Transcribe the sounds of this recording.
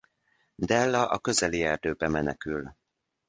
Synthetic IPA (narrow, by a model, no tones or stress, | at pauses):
d̪ɛlːɒʔɒkø̞zɛliɛrd̪øːbɛmɛnɛkyl